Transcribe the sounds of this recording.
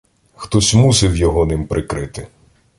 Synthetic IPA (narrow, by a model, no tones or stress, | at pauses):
xt̪ɔsʲmusɪwjɔɦɔnɪmpɾʔɪkɾɪt̪ɪ